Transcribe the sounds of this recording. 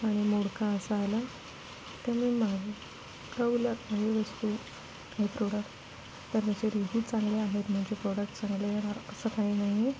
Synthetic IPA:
aɽ̃imoɽkãəsaajla | t̪amemaɡe | kəulət̪maɦiʋəst̪u | kaɦipɾoɽək | t̪əɾməd͡ʑeɾeɦiːt͡sãŋɡleaɦet̪m̤əɳd͡ʑepɾɔɽək̚ʈt͡sãŋɡleɾaɾəsəkainaɦie

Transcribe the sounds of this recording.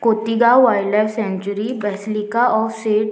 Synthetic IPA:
koːt̪iɡaʋaːɪɖlajfsɛ̃nt͡ʃəɾibɛːslikaɔːɾseːʈ

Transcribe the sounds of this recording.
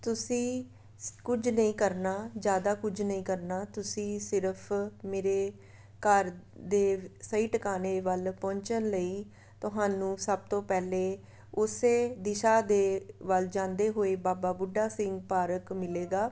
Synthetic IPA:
t̪ʊsĩː | kʊd͡ʒnəĩːkəɾnaːd͡ʒjaːd̪aːkʊd͡ʒnəĩːkəɾnaːt̪ʊsĩːsɪɾəpʰmeːɾeː | kəɾ | d̪eːsəiːʈəkaːneːʋəlpɔ̃ːɲt͡ʃənləiː | t̪ʊɦaːnũːsəb̚t̪õːpɛːleː | ʊseːd̪ɪʃaːd̪eːʋəld͡ʒãːnd̪eːɦoːeːbaːbaːbʊɖaːsɪ̃ŋɡ̚paːɾəkmɪleːɡaː

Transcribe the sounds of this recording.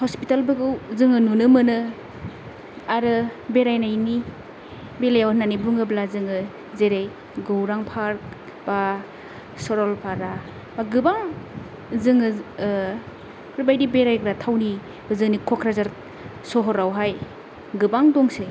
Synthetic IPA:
hɔspitalbɯɡɯwzɯŋɯnunɯmɯnɯ | aɾɯbeɾajnajni | belajawnanibuŋɯblazɯŋɯ | zeɾej | ɡowɾaŋpʰaɾk̚ | b̥a | sɔɾɔlpʰaɾa | baɡɯbaŋ | zɯŋɯ | kɾubajdibeɾajɡɾatʰawni | b̥ɯzɯŋnikʰɔkʰɾazaɾ | sɔɦɔɾawɦaj | ɡɯbaŋdɔŋse

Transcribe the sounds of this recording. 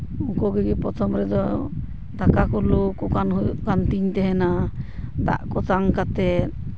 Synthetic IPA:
ɔkɔɡɛɡɛpɾɔt̪ʰɔmɾɛd̪ɔ | d̪akakɔlukɔkanɦukant̪iɲt̪ɛɦɛnad̪a̰ʔkɔt̪aŋkat̪ɛt̪̚

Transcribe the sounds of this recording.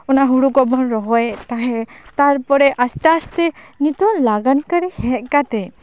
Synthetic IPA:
ɔnaɦuɽukɔbɔnɾɔɦɔjt̪aɦɛt̪aɾpɔɾɛʔast̪aast̪ɛnit̪ɔlaɡankaɾɛhɛʔ̪̚kat̪ɛ

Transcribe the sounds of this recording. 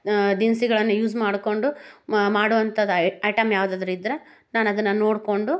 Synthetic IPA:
d̪insiɡɐɭɐnːɐjuːzmaːɽko̞ɳɖumaːɽuʋɐnt̪ʰɐd̪ɐɐjʈɐmjaːʋɐd̪aːd̪ɐɾuid̪ɾe | naːnɐd̪ɐnːɐnoːɽko̞ɳɖu

